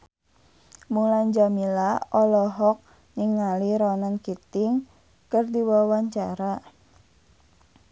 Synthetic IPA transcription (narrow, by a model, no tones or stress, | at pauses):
mulaɲd͡ʒamilaɔlɔɦɔk̚ | niŋaliɾɔnankit̪ɪŋ | kɨrdiwawaɲt͡ʃaɾa